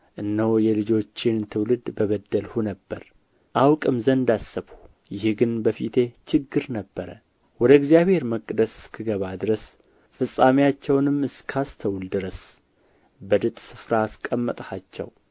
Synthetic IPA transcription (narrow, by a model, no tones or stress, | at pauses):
ʔɨnːəwjɛlɨd͡ʒo̞t͡ʃːɪnt̪ʰɨwlɨd̪bəβəd̪ːəlhunəbːəɾ | ʔawkʼɨmzənd̪asːɨβhu | jɪhɡɨnbəfit̪ʰe̞t͡ʃɨɡːɨɾnəbːəɾə̰ | wɔd̪əɪɡzijaβhe̞ɾməkʼːd̪əsɨ̥skʰɨɡəβad̪ɨɾəs | fɨsʼːamejat͡ʃːɛwnɨmːɨskʰast̪ʰəwld̪ɨɾəs | bəd̪ɨt̪ʼsɨfɾaːskʼəmːət̪ʼhat͡ʃːɛ̰w